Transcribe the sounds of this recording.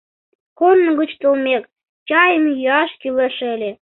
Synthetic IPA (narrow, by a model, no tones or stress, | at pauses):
konːə̆ɡut͡ɕt̪olmʲek | t͡ɕɑjəmjəɑʃkileʃ̆ə̆lʲĕ